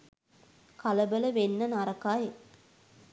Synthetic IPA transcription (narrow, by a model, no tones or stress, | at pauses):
kɐlɐbɐlɐʋenːɐnaɾɐkaːje